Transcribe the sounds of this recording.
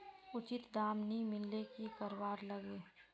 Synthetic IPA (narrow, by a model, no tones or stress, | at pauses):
ʊt͡ʃɪt̪d̪aːmnimɪlːekikəɾwaːɾləɡeː